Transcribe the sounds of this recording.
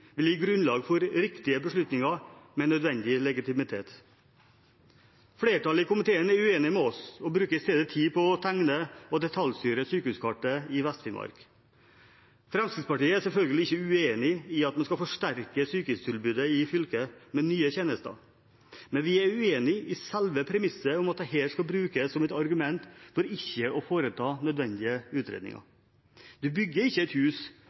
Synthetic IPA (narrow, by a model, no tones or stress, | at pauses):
ʋɪljiːɡɾʉnlɑːɡfɔɾɾɪkt̪ɪəbəʂɭʉt̪nɪŋɑmɛnœd̪ʋɛnd̪ɪlɛɡɪt̪ɪmɪt̪ʰeːt̪ | fɽeːʈɑlɪkʊmɪt̪ʰeːənæɾʉeːnɪmɛɔsɔbɾʉːkəɾɪst̪eːd̪ət̪ʰiːpʰɔɔt̪ʰæŋnəɔd̪ɛt̪ʰɑlst̪yːɾəsyːkəʉːskʰɑʈːəɪʋɛst̪fɪnmʔɑ̰ɾk | fɾɑmskɾɪt̪spɑʈiːəæsɛlfœlɡəlɪɪçːəʉeːnɪɪɑt̪mɛnskɑfɔʂʈæɾkəsyːkəʉst̪ʰɪlbʉːd̪əɪfʏlkəmɛnyːəçeːnəst̪ə̰ | mɛnʋɪæɾʉeːnɪʔɪsɛlʋəpʰɾɛmɪsːəɾɔmɑt̪̚d̪ɛɦeːlskɑbɾʉːkəssɔmɛt̪ɑɾɡʉmɛnt̪fɔɾɪçːəʔɔfoːɾət̪ʰɑːnœd̪ʋɛnd̪ɪəʉːt̪ɾḛːd̪ɪ̰ŋɑ̰ | d̪̥ʉbʏɡːəɾɪçːəɛt̪hʉːs